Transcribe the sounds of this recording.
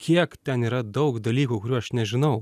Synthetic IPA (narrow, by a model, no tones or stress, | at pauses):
kʲiɛkt̪ʲɛniːɾɐd̪ɒʊkd̪ɐlʲiːkukʊɾʲuːɐʃnʲɛʒʲɪnɐʊ